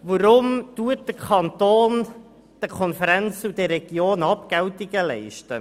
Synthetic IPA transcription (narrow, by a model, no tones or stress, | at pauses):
ʋəɾʊmtuət̚d̥əkʰɑnt̪oːn | d̥əkʰɔnfəɾɛnt͡sudəɾɛɡ̥joːnɑp̚kɛwtiɡəlɛɪʃtə